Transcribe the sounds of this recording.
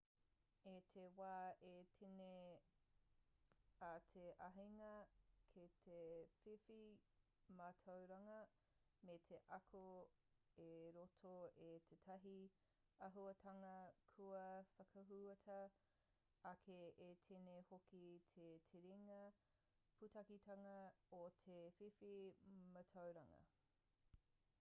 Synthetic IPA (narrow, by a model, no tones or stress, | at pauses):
etʰewaːʔetʰine | atʰeʔɐɦiŋɐkʰetʰefifi | maːtʰowɾɐŋɐ | metʰeʔɐkʰo | eɾotʰoetʰetʰɐɦi | ɐɦuɐtʰɐŋɐkʰuɐfɐkʰɐɦuɐtʰɐ | ɐkʰeetʰenehokitʰetʰeɾiŋɐ | pʰutɐkitʰɐŋɐotʰefifimɐtʰɐwɾɐŋɐ̰